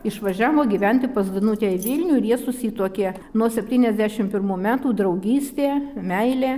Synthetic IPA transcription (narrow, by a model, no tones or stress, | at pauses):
ɪʃʋɐʒʲæːʋoːɡʲiʋʲɛnʲt̪ʲɪpɐzd̪ɐnut̪ʲɛːɪʋʲɪlʲnʲuːɪɾjiɛsʊsʲiːt̪oːkʲeː | nuɔsʲɛpʲt̪ʲiːnʲɛzʲd̪ʲæʃʲɪmpʲɪɾmuːmʲæːt̪uːd̪ɾɐʊɡʲiːsʲt̪ʲeːmʲɛɪlʲeː